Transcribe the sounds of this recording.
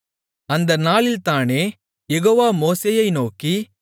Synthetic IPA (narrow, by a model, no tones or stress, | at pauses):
ɐnd̪ɐnaːɭɪlt̪aːneː | jɛɣoːʋaːmoːseːjɐɪnoːki